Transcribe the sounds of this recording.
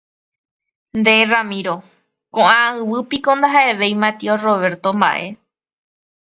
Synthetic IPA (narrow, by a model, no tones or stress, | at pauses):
nd̪eramĩɾo̞ | kõʔãɨʋɨpikond̪aɦae̞ʋe̞jmat̪ioroʋe̞ɾt̪omba̰ʔe̞